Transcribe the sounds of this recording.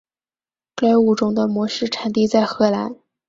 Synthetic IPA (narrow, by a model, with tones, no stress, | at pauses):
kla˥˩ɪu˨˩ʈ͡ʂʊ˨˥˩ŋd̪ə˧mwɔ˧˥ʂɻ̩˥˩ʈ͡ʂʰa˨˩nt̪̬i˥˧t͡sa˥˩ɪxɤ˧˥la˧˥n